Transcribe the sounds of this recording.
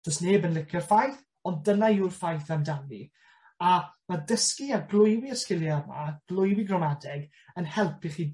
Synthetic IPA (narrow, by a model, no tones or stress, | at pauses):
d͡ʒ̥ɔstneːbənlˠɪkʰərfajθ | ɔndənairfajθamdavi | amadəskiaɡlˠʊjwiəskɪlˠjarma̰ɡ̥lˠʊjwiɡrɔmadɛɡ | ənhɛlˠpʰiχiː